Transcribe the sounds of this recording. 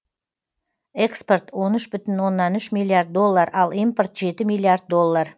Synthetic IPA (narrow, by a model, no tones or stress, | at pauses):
e̞kspo̞rt̪wo̞nʏʃbʏt̪ɪnwo̞nːɑnʏʃmʲilːˠiard̪̚dːo̞lˠːaɾɑlˠijmport̪ʒe̞t̪ɪmijlˠːiard̪̚d̪o̞lˠːar